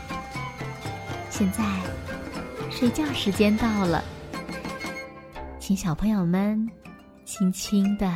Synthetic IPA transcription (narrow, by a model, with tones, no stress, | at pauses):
ɕjɛ˥˧nt͡sa˥˧ɪ | ʂe˥˧t͡ɕja˥˩ʂɻ̩˧˥t͡ɕjɛ˥nt̪ɑ˥˩ʊlə̰˩ | t͡ɕʰi˧˥ŋɕjɑ˨˩ʊpʰɤ˧˥ŋjo˨˩ʊmə˧n | t͡ɕʰi˧˥˩ŋt͡ɕʰi˥ŋd̪ə˨